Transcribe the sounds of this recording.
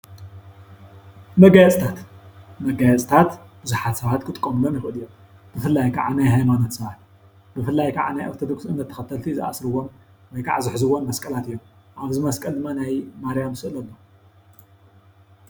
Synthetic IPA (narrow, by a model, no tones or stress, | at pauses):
mɐɡajɛt͡sʼt̪ʰat̪mɐɡajɛt͡sʼt̪ʰat̪ | b̥ɨzuħat̪sɐβat̪kʰɨt̪ʼkʼːomɨlonjɪxɨʔɨlɨjːom | b̥ɨfɨlːajkʰaʕanajhajmanot̪sɐβat̪ | bɨfɨlːajkʰaʕa̰najʔoɾt̪ʰod̪o̞ksɨnːɐt̪ʰːɐ̥xɐt̪ʰːɐlt̪ʰizɨʔa̰sɾɨwom | wɔjkʰa̰ʕazɨħzɨwonmɐskʼɐlat̪ɨjːomʔaβzɨmɐskʼɐld̪ɨmːanajmaɾijamsɨʔlɐlːo